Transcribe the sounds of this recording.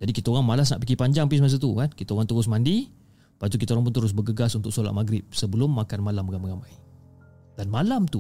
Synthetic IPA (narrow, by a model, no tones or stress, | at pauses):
d͡ʒadikit̪aoɾaŋmalas̬naʔpikipaɲd͡ʒaŋpismas̬at̪ukankit̪aoɾaŋt̪əɾʊs̬mandi | pait̪ukit̪aoɾaŋp̬ʊnt̪əɾʊs̬bəɡəɡasunt̪ʊksola̰ʔ̚maɡɾɪp̚səbəlʊmːakanmalambɡaməɡamaji | d̥anmalamt̪u